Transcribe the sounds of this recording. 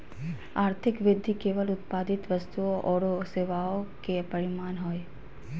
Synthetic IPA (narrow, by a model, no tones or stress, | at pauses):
aːɾt̪ʰɪkʋɪd̪ʱːikeːʋəlʊt̪paːd̪ɪt̪ʋəst̪uoʔɔːɽoseːʋaokepɐɾɪmaːnɦoːe